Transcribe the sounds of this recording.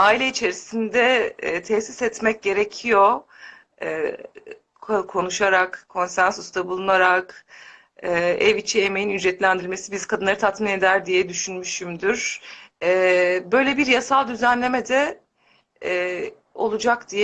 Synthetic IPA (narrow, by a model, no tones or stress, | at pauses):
aːilʲɛit͡ʃʰe̞ɾisind̪ɛt̪ʰɛhsisɛt̪mɛc̚ɟe̞ɾecʰijo̞ | ɛː | kʰkʰo̞nuʃaɾakkʰːo̞nsænsusd̪abulˠunaɾak | ɛːɛvit͡ʃʰieme̞jinyd͡ʒɾɛt̪lʲænd̪iɾlʲme̞sibizkʰad̪ɯnˠaɾɯt̪ʰat̪mine̞d̪æɾd̪ijɛd̪yʃynmyʃymd̪yɾ̥ɛbø̞jlʲebiɾjasalˠd̪yzænlʲe̞mɛd̪ɛ | o̞̰lˠud͡ʒakd̪̥ijɛ